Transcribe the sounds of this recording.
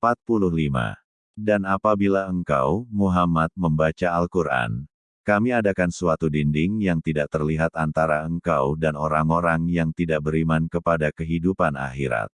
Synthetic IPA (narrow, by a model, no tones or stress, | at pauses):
pat̪̚pulʊhlima̰ | danapabilaəŋka̰wmuɦamat̪̚məmbat͡ʃaːlkurʔa̰n | kamiadakansuat̪udindɪŋjaŋt̪idaʔ̚t̪ərliɦat̪ant̪aɾaəŋkawdanoɾaŋoɾaŋjaŋt̪idaʔbəɾimankəpadakəɦidupana̰ɦiɾa̰t̪̚